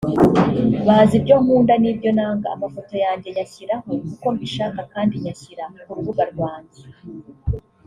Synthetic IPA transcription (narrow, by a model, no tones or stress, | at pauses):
βahazibɟo̞ːmuːndanibɟo̞naːŋɡa̰ːmafo̞to̞jaːɲɟe̞ɲaçiɾaho̞kuko̞mbiʃakakaːndiɲaçiɾakuɾuβuɡaɾɡwaːɲze